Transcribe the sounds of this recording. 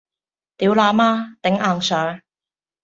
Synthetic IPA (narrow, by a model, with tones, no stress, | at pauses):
t̪iː˨˥wlaː˨˧˥maː˧˥t̪ɪ˨˧˥ŋʔaː˨˩ŋsœː˨˥